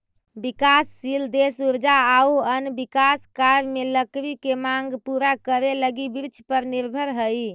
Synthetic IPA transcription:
bikasːild̪esuɾd͡ʒaauənbikaskaɾmeləkɾikemaŋɡpuɾakəɾeləɡibiɾt͡ʃʰpəɾniɾbʱəɾɦəj

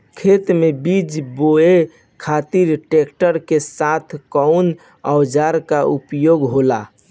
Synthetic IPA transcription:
kʰet̪mebid͡ʒboe | kʰat̪iɾʈekʈəɾkesat̪ʰkəun | əwd͡ʒaɾkaupjoɡɦola

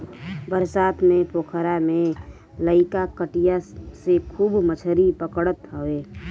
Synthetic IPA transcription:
bəɾsaːt̪mẽpoːkʰəɾamẽ | ləɪkakəʈijasekʰuːbmət͡ʃʰəɾipəkɽət̪ɦoeː

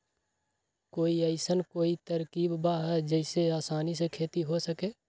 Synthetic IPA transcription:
koːiəɪsənkoːit̪əɾkiːbbaɦɛd͡ʒəɪseaːsaːnisekʰeːt̪iɦosəkeː

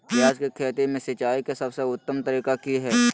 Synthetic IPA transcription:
pjaːd͡ʒkekʰeːt̪emẽsɐt͡ʃaːikasɐbseʊt̪ːəmt̪əɾiːkakiɦɛː

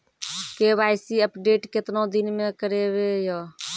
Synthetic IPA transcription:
kebaɪsiəpɖeːʈkɪt̪nod̪inmẽkəɾeβeja

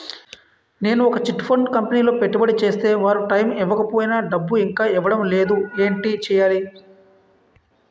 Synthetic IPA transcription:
ne̞ːnuɔkɐt͡ʃiʈpʰoɳɖkɐmpeniːlo̞ːpeʈːubɐɽit͡ʃe̞ːst̪e̞ːʋaːɾuʈɐjmiʋːɐkɐpo̞ːjinɐɖɐbːuiŋkaːiʋːɐɽɐmle̞ːd̪ue̞ːɳʈit͡ʃɛːjaːli

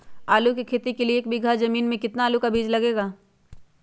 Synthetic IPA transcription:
aːlukikʰeːt̪ikelieːk̚bɪɡʱazɐmiːnmẽkɪt̪naːlukabʱiːd͡ʒlɐɡeːɡaː

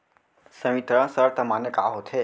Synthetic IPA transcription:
sə̃ʋit̪ɾə̃səɾt̪əmanəka̰ɦot̪ʰe

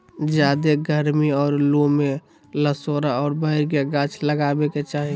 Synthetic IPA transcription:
d͡ʒjaːd̪eɡʱəɾmiɔːɾlome | ləsoːɾaɔːɾbəɦɪɾɡeɡãːt͡ʃʰləɡaːbeket͡ʃaːɦi

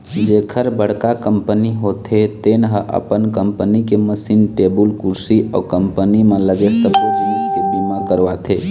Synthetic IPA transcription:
d͡ʒekʰəɾbəɽ̤kakəmpəniɦot̪ʰet̪enɦəʔə̰pənkəmpənikeməsiːnʈebulkuɾsiʔɔ̰kəmpənimẽləɡesəbod͡ʒaniskebimãkəɾʋat̪ʰe

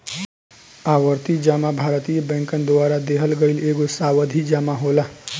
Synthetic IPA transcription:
awəɾt̪id͡ʒamabʱaːɾt̪ijebɛ̃ŋkənd̪ʊaːɾad̪eɦəlɡəɪleːɡosaːwəd̪ʱid͡ʒaːmaɦoːla

